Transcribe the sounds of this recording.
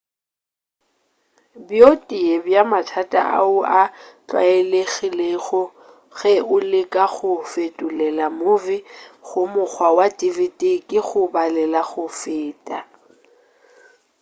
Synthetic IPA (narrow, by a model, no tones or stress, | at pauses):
bjotʼiebjamatʰatʼa̰ʔa̰ʊat͡ɬʼwa̰eleɣileɣʊ | ɣɛʊlɪkʼaɣʊfetʼʊlɛlamʊvɪɣʊmʊk͡xwawatʼivitʼikʼɪɣʊbalɛlaɣʊfɪːtʼa